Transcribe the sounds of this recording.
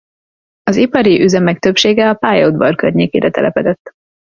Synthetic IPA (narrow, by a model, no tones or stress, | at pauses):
ɒzipɒɾiʔyzɛmɛk̚t̪øpʃeːɡɛɒpaːjod̪bɒrkørɲeːkḛːɾɛt̪ɛlʔɛpɛd̪ɛt̪ː